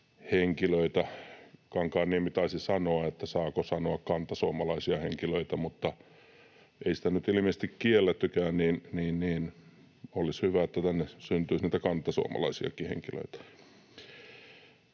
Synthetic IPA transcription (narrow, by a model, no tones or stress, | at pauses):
heŋkiløit̪ækɑŋkɑːnniempit̪ɑisisɑnoɑet̪ːæsɑːkosɑnoɑkkɑnt̪ːɑsuomɑlɑisiɑheŋkiløit̪æmut̪ːɑ | eisi̥t̪ænyt̪ilĭmisest̪ikkielːet̪ːykæːnniːnniːnniːn | olishyʋæet̪ːæt̪ænːesynt̪yisniˑt̪ækɑnt̪ːˑɑsuo̰mɑ̰lɑ̰isiɑ̰kihḛŋkilø̰it̪æ̥